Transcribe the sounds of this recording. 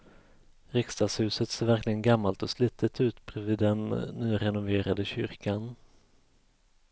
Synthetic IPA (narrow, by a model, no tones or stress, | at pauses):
ɾɪkst̪aːshʉ̟ːsət̪seːɾvæɾklɪɡənɡamːalt̪ɔsliːt̪ʰət̪ʰʉ̟ːt̪bɾɛvid̪ɛnːyːɾɛnʊveːɾad̪əɕʏ̰ɾkan